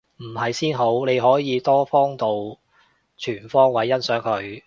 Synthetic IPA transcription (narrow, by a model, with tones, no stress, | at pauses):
m̩˨˩hɐ˨jsiː˥nɦo˨˥wne˨˧jɦɔː˨˥jiː˨˧t̪ɔː˥fɔː˥ŋt̪o˨w | t͡ʃʰyː˨˩nfɔː˥ŋwɐ˨˥jːɐ˥nsœː˨˥ŋkʰɵ˨˧ɥ